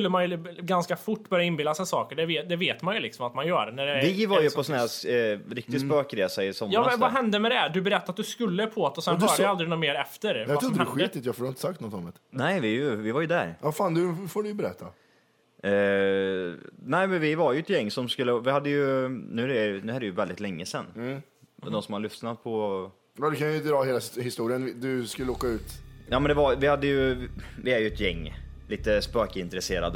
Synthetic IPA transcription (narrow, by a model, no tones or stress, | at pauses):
ɵlːəmanjɵɡanskafʊʈːbœɾjaɪnbɪlːasɛnsɑːkəɖɛvːd̪ɛveːt̪manjɵlɪksɔmat̪manjœːɾnæɖɛvɪvaɾjɵpʰɔsɔnæɾɾɪkt̪ɪspøːkɾeːsaɪsɔmːjɑːvaɦɛnd̪əmɛd̪ɛd̪ɵbɛɾɛt̪ːaɾat̪̚d̪ɵskɵlːəpʰɔot̪ːɔsɛnh̪œːɖɛjald̪ɾɪnuːmeːɾɛft̪əɾjaɾdd̪əɧit̪ɪt̪jaɡfoːɾɪnt̪əsak̚t̪nɔt̪ːɔmət̪nɛɪvɪvɪvaɾjɵd̪æ̰ɾafaːnd̪ɵfoːɖʏjbɛɾɛ̰t̪ʰːa̰ | nɛɪmɛnvɪvaɾjʉɛt̪jɛŋːsɔmskɵlːəvɪhad̪ːəjɵnʉ̟ːæɾɛɾɪjnʉ̟ːæɾɛjɵvɛld̪ɪt̪lɛŋːəsɛnː | d̪ɔnsɔmhalʏft̪nat̪̚pʰɔ | ɑːd̪ɛkʰanjəd̪ɾɑːheːlahɪst̪uːɾɪənvɪd̪ɵskɵləoːkaʉ̟ːt̪jɑːmɛnd̪ɛvaɾvɪhad̪ːəjɵvɪæɾjɵɛt̪jɛŋː | liːt̪əspøːkəɪnt̪ɾɛseːɾa̰d̪ə